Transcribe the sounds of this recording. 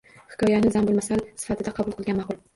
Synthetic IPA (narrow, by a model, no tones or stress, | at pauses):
hɪ̥kʰɒjanɪzambʊlmasalsɪ̥fat̪ʰɪd̪aqʰɑbʊlˠqʰɨlˠɡʲanmɑqʊlˠ